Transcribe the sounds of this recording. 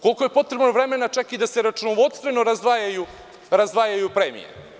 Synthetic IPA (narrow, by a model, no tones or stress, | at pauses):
ko̞lkoje̞po̞t̪ɾe̞bnovɾe̞me̞nat͡ʂakid̪aseɾat͡ʃunoʋo̞t̪st̪ve̞noɾazd̪ʋajaju | ɾazʋaːjajupɾemḭjḛ